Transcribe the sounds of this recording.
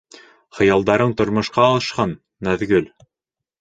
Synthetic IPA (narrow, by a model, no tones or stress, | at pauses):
χɤ̆jɑlˠd̪ɑɾɤɴt̪ŏɾmŏʃqɑlɤ̆ʃqɑnː | æðɡɘl